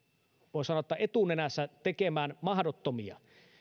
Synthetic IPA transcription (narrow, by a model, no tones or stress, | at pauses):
ʋoˑisɑnot̪ːɑʔet̪unenæsːæt̪ekemæːnmɑhdot̪ːomiɑ̰